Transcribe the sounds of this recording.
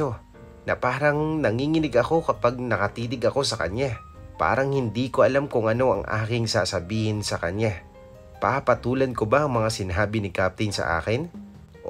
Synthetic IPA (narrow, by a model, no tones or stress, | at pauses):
o | nɐ̰paːɾɐŋnɐŋiːŋɪnɪɡɐko̞kɐpaɡ̚nɐkɐt̪iːnɪɡɐko̞sɐkɐ̰ɲa | pa̰ːɾɐŋhɪnd̪iːkoʔɐlamkʊŋʔɐno̞ʔɐ̰ŋʔa̰ːkɪŋsa̰ːsɐbiːhɪnsɐkɐɲa | pa̰pɐt̪uːlɐnkobaʔɐŋmɐŋasɪnaːbɪnɪkap̚t̪ɪnsɐ̰ʔa̰ːkɪn